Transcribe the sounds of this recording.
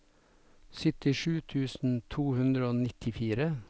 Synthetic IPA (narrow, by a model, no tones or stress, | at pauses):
sʏt̪ɪʃʉːt̪ʰʉːsn̩t̪ʰuːhʉnd̪ɾəoːnɪt̪ʰɪfiːɾə